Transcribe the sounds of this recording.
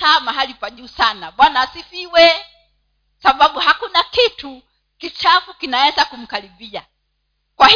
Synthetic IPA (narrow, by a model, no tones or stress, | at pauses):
kaːmaɦalipwaʄuːsanaɓwanaːsifiwɛ | saɓaɓuhakunakitu | kit͡ʃafukinawɛzakum̩kaliɓia | kwah